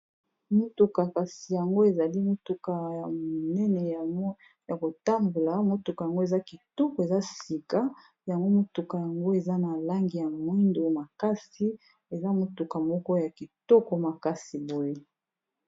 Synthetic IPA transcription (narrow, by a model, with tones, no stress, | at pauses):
mo˦tu˨ka˨ka˨si˨ja˨ŋɡo˦e˨za˨li˦mo˦tu˨ka˨ja˨mo˨nɛ˦nɛ˨˦ | ja˨ko˨ta˦mbu˨la˨mo˦tu˨ka˨ja˨ŋɡo˦e˨za˦ki˨tɔ˦kɔ˨e˨za˦si˨ka˦ | ja˨ŋɡo˦mo˦tu˨ka˨ja˨ŋɡo˦e˨za˦na˨la˦ŋɡi˨ja˨mwi˦ndo˨ma˨ka˦si˦ | e˨za˦mo˦tu˨ka˨mɔ˦kɔ˦ja˨ki˨tɔ˦kɔ˨ma˨ka˦si˨bo˦je˦